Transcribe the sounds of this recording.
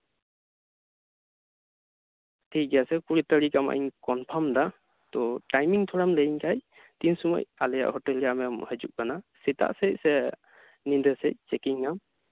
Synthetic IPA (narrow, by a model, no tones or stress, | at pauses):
tʰiasɛkuɹitaɾikama̰ʔinkɔnpʰamda | t̪ɔtajmiŋtʰɔɹamləiŋkʰaj | tinsumɔ̰jalɛja̰ʔhɔtɛljamɛmhəd͡ʒuʔ̚kanasita̰ʔsesɛ | nindəsɛt͡ʃɛkiŋam